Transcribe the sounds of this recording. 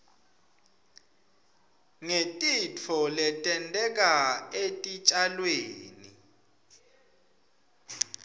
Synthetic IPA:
ŋetʼit͡fʰɔlɛtʼɛntʼɛk̬ʼaetʼit͡ʃʼalweːnḭ

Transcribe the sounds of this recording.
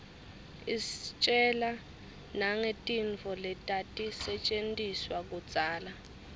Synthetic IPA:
ist͡ʃʼɛla | naŋetʼiɱt͡fɔlɛtʼatʼisɛt͡ʃʼentʼiswak̬ut͡sʼaːla

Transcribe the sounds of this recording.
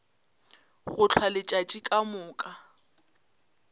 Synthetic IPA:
ɣʊt͡ɬʰwalɪt͡ʃʼat͡ʃʼikʼamʊːkʼa

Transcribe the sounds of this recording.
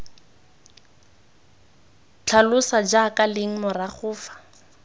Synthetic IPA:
t͡ɬʰalʊsad͡ʒakʼalɪŋ̩mʊraχʰʊːfḁ

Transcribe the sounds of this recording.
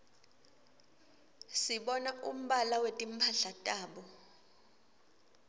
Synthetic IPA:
siɓɔnaum̩ɓalawetʼim̩pʰaɬatʼaːɓɔ

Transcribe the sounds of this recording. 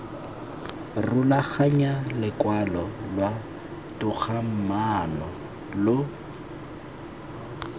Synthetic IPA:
rʊlaχaɲalɪkwalɔlwa | tʼʊk͡xʰam̩manɔ | lʊ

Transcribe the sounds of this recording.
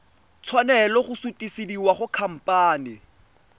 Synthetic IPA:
t͡sʰwanɛlɔχʊsutisidiwaχʊkʰam̩pʼaːnɪ

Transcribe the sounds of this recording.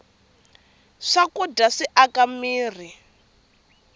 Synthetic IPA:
ʂakudaʂiʔakamiːr̤i

